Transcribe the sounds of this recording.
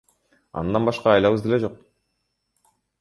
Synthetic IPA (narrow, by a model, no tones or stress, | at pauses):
ɑ̰nd̪ɑnbɑʃqɑːjlˠɑβɯzd̪ele̞d͡ʒo̞q̚